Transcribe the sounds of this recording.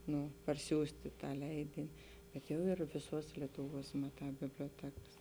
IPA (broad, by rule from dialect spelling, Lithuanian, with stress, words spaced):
ˈnʊ pɐrʲˈsʲuːsʲtʲɪ ˈtɑː ˈlʲɛɪdʲɪnʲɪ bʲɛt ˈjɛʊ ɪr ʋʲɪˈsuɔs lʲiɛtʊˈʋuɔs mɐˈtɑː bʲɪbʲlʲoːˈtʲæːkɐs